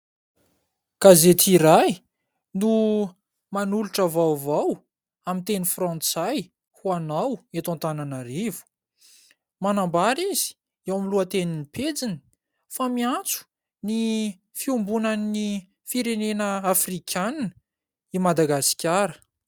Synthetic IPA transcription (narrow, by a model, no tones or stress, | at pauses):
kazet̪iɾaj | nu | manuluʈ͡ʂəvawvaw | amint̪enifrɔ̃nt͡saj | huanawat̪ãnt̪ananaɾivu̥ | manambaɾizi̥ | awmiluət̪eninipʰed͡zini̥ | famiant͡su̥ | ni | fiumbunani | fiɾenenəafrikʲʰann | imad̪aɡasi̥kʲaɾə̥